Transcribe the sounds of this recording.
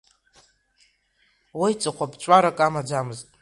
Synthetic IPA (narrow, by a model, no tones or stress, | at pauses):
wijt͡sʼɨqʷʰapt͡ʃʷʼaɾakʼamad͡zamɨztʼ